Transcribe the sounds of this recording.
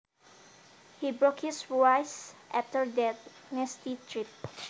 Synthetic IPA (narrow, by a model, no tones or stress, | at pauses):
hibɹokhisajsʔaftəɹdɛtnɛstitʰɹip̚